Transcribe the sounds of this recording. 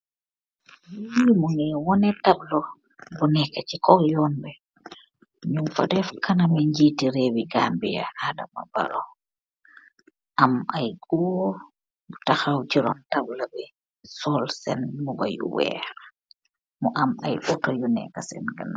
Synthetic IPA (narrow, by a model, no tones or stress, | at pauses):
ɲumɔŋɛwɔnɛtablɔ | bɔnɛkat͡ʃikɔjɔnbɛ | ɲumfa̰dɛfkʰanamɛɲd͡ʒitiɾewiɡambija̰haːda̰ma̰ba̰ɾɔ | ʔamajɡɔ | taxawt͡ʃiɾɔ̰ntablabɛ | sɔlsɛnmɔba̰jṵwɛ̰ɾa | mɔʔamajʔɔtɔjunɛ̰kasɛnɡa̰n